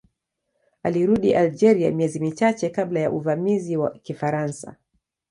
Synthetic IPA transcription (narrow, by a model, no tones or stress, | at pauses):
aliɾuɗiʔald͡ʒɛɾia̰miɛzimit͡ʃat͡ʃɛkaɓlaja̰ʔuvamiziwakifaɾansa̰